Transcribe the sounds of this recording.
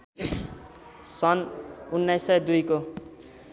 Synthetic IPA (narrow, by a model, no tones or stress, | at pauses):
sʌnunːajsːʌjd̪ujko